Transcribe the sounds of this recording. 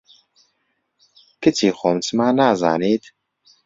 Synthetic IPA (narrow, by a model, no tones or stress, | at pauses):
kɨt͡ʃʰiːxoːmt͡smaːnaːza̰ːneːt̪